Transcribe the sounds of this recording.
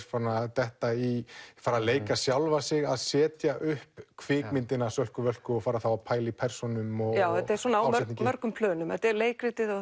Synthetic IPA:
fanat̪ɛht̪aifaːɾaleːjkasjawlvasɪɣaðsɛːt̪jaʔʏhpkʰvɪːkmɪnt̪ɪnasœl̥kʏvœl̥kʏɔfaːɾaθawapʰaːjlipʰɛr̥sɔnʏmɔɣjaːwɛt̪aɛ̥ɾsɔːnawœɾt̪nĩŋcmœɾkʏmpʰlœːnʏmɛt̪aɛɾleːjkɾɪt̪ɪðɔ

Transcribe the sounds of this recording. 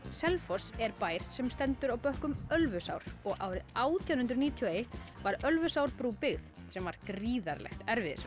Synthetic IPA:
sɛlfɔsɛɾpaːjɾ̥sɛmst̪ɛnt̪ʏɾawpœhkʏmœlvʏsa̰wɾ̥ɔɣaːwɾɪðaːwt̪ʰjawnhʏnt̪ɾniːt̪ʰiɔejht̪vaɾœlvʏsawɾpɾuːpɪɣθ | sɛmvaɾ̥kɾiːða̰ɾlɛ̰xt̪ɛɾvɪðɪ̰s

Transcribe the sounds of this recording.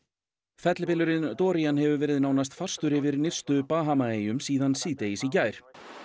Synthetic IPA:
fɛt̪lɪpɪlʏɾɪnt̪ɔːɾianhɛvʏvɛːɾɪðnaːwnast̪far̥st̪ʏɾɪvɪɾnɪr̥st̪ʏpaːɦamaeːjʏmsiːðansiːt̪ejisicaːjɾ̥

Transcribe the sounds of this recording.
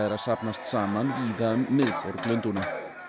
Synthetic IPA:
ɛɾasapnast̪saːmanviðamːɪðfɔɾklʏnt̪ʊna

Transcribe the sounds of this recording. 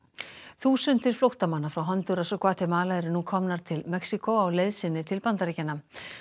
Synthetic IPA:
θuːsʏnt̪ɪl̥flowht̪amanːafɾawɦɔnt̪ʏɾasɔkʰvaːt̪ʰɪmaːlaɛɾʏnukʰɔmnaɾ̥t̪ʰɪlmɛksikowawlejðsɪnːɪt̪ʰɪlpant̪aɾiːcɪnːa

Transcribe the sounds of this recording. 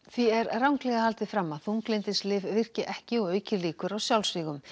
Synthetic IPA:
θviɛɾrawŋklɛɣahalt̪ɪfɾamːaðθuŋklɪjnt̪ɪslɪːvvɪr̥cɪʔɛhcɪɔɣœːɥcɪliːkʏɾawsjawlsviːɣʏm

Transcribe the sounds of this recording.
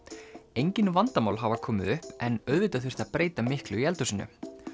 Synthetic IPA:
ejɲcɪnvant̪amaːwlɦavakʰɔːmɪðʏhpɛnœðvɪt̪aθɪ̥r̥t̪apɾeːjt̪amɪhklʏiɛlt̪ʏsɪnːʏ̰

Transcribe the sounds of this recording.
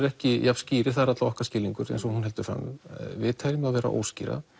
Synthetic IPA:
ɾɛhcɪjavsciːɾɪ̥θaɾat̪aɔhkḁscɪːliŋkʏɾɛ̰nsɔhunɦɛlt̪ʏ̥fɾa̰mvɪðt̪ʰaɾɪmaðvɛːɾa̰ʔo̰ːwscḭːɾa̰

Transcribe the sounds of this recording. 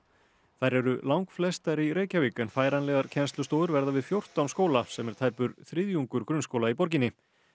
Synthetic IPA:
θajɾɛɾʏlawŋkflɛst̪aɾiɾeːjcaviːkʏnfaːjɾanlɛɣaɾ̥cʰɛnst̪lʏst̪oːwðʏɾvɛɾðavɪðfjowr̥t̪awnskoːwlasɛmɛɾ̥t̪ʰaːjpʏɾθɾɪðjuŋkʏɾkɾʏnskowlaipɔɾcɪnːɪ

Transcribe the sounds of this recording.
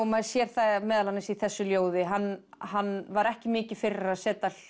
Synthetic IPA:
ɔmaðsjɛɾ̥θamɛːðalanɪsiθɛsːʏljoːwðɪɦanːhanːvaɾɛhcɪmɪːcɪ̥fɪraɾaðsɛːt̪al

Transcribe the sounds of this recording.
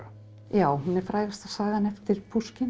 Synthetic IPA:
jaːwhunɛɾ̥fɾaːjɣast̪ḁsaːɣanɛft̪ɪɾ̥pʰuscɪn

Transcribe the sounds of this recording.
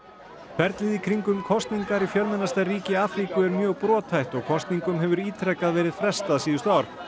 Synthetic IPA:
fʰɛɾt̪lɪðikʰɾiŋkʏmkʰɔst̪niŋkaɾifjœlmɛnast̪ariːcɪaːfɾikʏɛɾmjœːɣpɾɔːt̪ʰhajht̪ɔɣkʰɔst̪niŋkʏmɦɛvʏɾiːt̪ʰɾɛkːaðvɛːɾɪðfɾɛst̪aðsiːðʏst̪aːɾ̥

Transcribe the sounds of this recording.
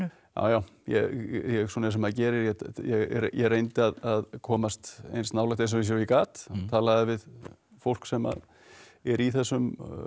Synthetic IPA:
ja̰ːwjawjɛ̰jɛɣsɔnaɛs̬ɛmhaðcɛːɾɪɾjɛjɛjɛɣrejnt̪ɪaðaðkʰɔːmast̪ḛjnst̪nawlɛht̪ens̬ɛmɪs̬jɛɾikaːt̪t̪ʰaːlaðɪvɪð | fowl̥ksɛma̰ð | ɛɾiθɛsːʏm

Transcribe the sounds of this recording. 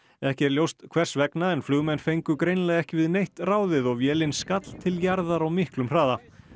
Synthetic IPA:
ɛhcɛɾljowst̪kʰv̥ɛr̥svɛknaɛnflʏːɣmɛnfejŋkʏkɾejnlɛɣɛhcɪvɪðnejht̪raːwðɪðɔɣvjɛːlɪnskat̪l̥t̪ʰɪljaɾðaɾawmɪhklʏmr̥aːða

